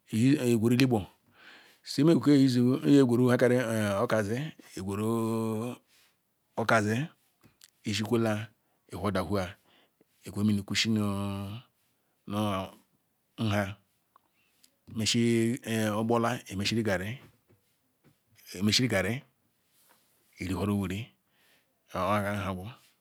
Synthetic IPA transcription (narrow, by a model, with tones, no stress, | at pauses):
e˨ɡʷo˨ɾu˦li˦bo˨ | se˦me˦˨ɡu˨ke˦˨˦e˦˨ɡʷo˨ɾu˦ha˦ka˨ɾe˦˨o˦ka˨ze˦e˨ɡʷo˨ɾo˦ | o˦ka˨ze˦ | i˨ʃi˦kʷo˦la˦ | e˨ho˦˨da˨hu˦a˨ | e˨kʷmi˨no˨ku˦ʃi˦no˨ | no˦˨ | n̩˦ɦa˦˨ | me˨ʃi˦ | o˦bo˦la˦e˨me˨ʃi˦ɾi˦ɡa˨ɾe˦˨ | me˦ʃi˦ɾi˦ɡa˨ɾe˦ | i˨ɾi˨ɦo˦ɾo˦wu˨ɾi˦˨˦ | a˨ɡa˨˦ɦa˨ɡu˦